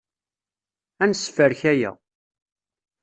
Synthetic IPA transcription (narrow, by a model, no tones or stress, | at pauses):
ænsfəɾçæjæ̰